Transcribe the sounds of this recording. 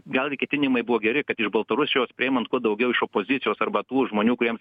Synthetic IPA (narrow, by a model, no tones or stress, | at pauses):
ɡɐlˠɡʲɪkʲɛt̪ʲɪnʲɪmɐɪbʊʋoːɡʲɛɾʲɪkɐt̪ɪʒbɐlˠt̪ɐɾʊsʲɪjoːspʲɪeːmɐnt̪kuɔd̪ɐʊɡʲɛʊɪʃoːpoːzʲɪtt͡s̪ʲɪjoːsɐrbɐt̪uːʒmoːnʲuːkʊɾʲiɛms